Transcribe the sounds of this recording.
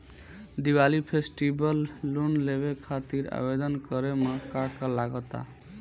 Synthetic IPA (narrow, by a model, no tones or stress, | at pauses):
d̪iwalipʰesʈibəlːunleβekʰat̪iɾa̰bed̪ənkʌɾemʌkakəlaɡət̪a̰